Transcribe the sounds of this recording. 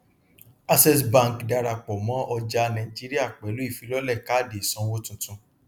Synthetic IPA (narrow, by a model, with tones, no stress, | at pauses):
a˦sɛ˦sbã˦˧˨kda˧ɾa˧k͡pɔ˨mɔ̃˨˦ʔɔ˧d͡ʒa˧nã˧ĩ˨d͡ʒi˦ɾi˦a˦˨k͡pɛ˨˦lu˨˦i˦˨fi˧˦lɔ˦lɛ˦˨ka˦de˨i˨sɔ̃˧˦wo˦tũ˧tũ˧